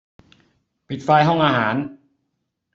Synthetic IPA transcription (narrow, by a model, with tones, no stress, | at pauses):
pʰi˨˩t̪̚faː˧jɦɔ˥˩ŋʔaː˧ɦaː˩˦n